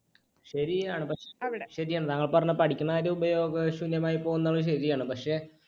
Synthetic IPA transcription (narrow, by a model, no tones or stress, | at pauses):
ɕɐɾijaːɳɨpɐkʂeʋiɽeɕɐɾijaːɳɨnɐŋːɐɭpɐrɐɲːɐpɐʈʰikʲːunːɐaːɾeubɐjo̞ːɡɐɕunjɐmaːjipːoːɣunːɐaːɭɨɕ̬ɐɾijaːɳɨpɐkʂe̞